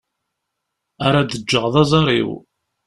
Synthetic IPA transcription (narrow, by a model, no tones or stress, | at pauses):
aɾad̪əd͡ʒːəʁðˤɑzˤɑɾˤḭw